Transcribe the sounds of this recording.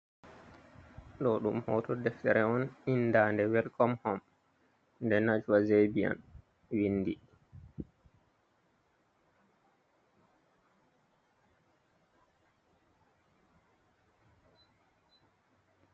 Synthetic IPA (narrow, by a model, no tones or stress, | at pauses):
ɗɔɗumhɔːtɔdɛftɛɾɛɔninːdaːndɛwɛlkɔmhɔm | ndɛnad͡ʒuwazebia̰n | winːdi